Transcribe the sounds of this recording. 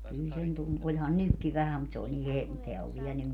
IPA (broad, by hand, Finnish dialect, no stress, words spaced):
kyl sen tun olʲhɑn nykːi ʋæhæm mut se olʲ ni he teæ oʋ ʋiɛ nyn